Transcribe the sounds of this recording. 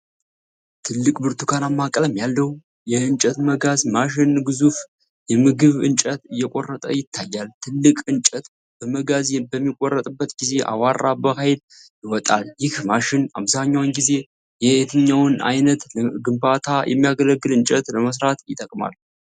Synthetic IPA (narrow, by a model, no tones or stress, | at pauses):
t̪ʰɨlːɨkʼbɨɾt̪ʰukʰanamːakʼələmjalːəw | jɛɨnt͡ʃʼət̪məɡazmaʃɪnɡɨzuf | jɛmɨɡɨβɨ̰nt͡ʃʼət̪ɨjːɛkʷʼorːət̪ʼə̰jɪt̪ʰːajːalt̪ʰɨlːɨkʼɨnt͡ʃʼət̪ | b̥əməɡazjbəmːikʼɔrːət̪ʼɨbːət̪ɡize̞ʔa̰warːabəhajɪl | jɪwɔt̪ʼa̰ljɪhmaʃɪna̰βzaɲːawnɡize̞ | jɛet̪ʰɨɲːawna̰jnət̪ɡɨmbat̪ʰajʔɛ̰mːijaɡələɡːɨlɨnt͡ʃʼət̪ləməs̬ɾat̪jɪt̪ʼəkʼma̰l